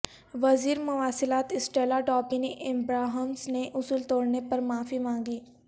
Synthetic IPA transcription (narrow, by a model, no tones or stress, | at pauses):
ʋɐziːɾmʊʋaːsɪlaːt̪ɪsʈeːlaɖɔːpiniʔɪmbɾaːɦəmsneʔʊsuːlt̪oːɽnepɐɾmaːfimãːŋɡiː